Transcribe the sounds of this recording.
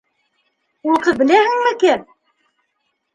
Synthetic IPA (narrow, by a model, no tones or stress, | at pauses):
ulˠq̪ɤbɘ̆læhɘ̆ŋmɘkæ